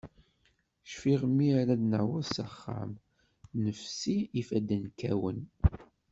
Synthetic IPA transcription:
ʃfiʁmːiɾæd̪naʕwæsaχːa̰m | nəfsiːfæd̪ænkæwən

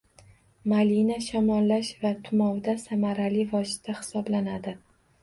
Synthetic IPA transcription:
malinaʃɒmɒlːaʃvat̪ʰʊmɒwd̪asamaɾalivɒʃɪt̪ːahɪ̥sɒblanad̪ɪ

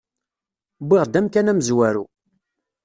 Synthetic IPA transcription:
biʁd̪æmkænæmzwæɾu

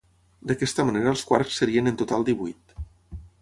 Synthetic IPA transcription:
d̪əkɛst̪əməneɾəlˠskwaɾksːəɾiənənt̪ut̪alˠd̪iβujt̪

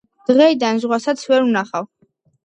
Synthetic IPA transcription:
d̪̥ʁɛid̪anzʁwasat̪sʰvɛɾunaχav

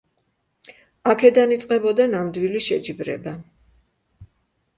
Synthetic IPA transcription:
akʰɛd̪anit̪sʼqʼɛbɔd̪anamd̪wiliʃɛd͡ʒibɾɛ̰ba

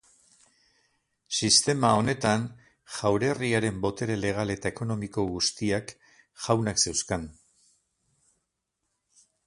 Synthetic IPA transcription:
sist̪e̞mao̞ne̞t̪an | ʝawɾe̞riaɾe̞mbo̞t̪e̞ɾele̞ɣ̞ale̞t̪ae̞ko̞no̞miko̞ɣust̪iak | ʝawnakse̞wskan

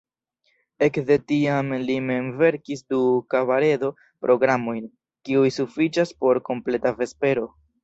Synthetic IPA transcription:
e̞kde̞tiamlime̞nve̞ɾkisdukavaɾe̞do̞ | pɾʔo̞ɡɾamo̞jn | kiujsufit͡ʃaspo̞ɾko̞mple̞tave̞spe̞ɾo̞

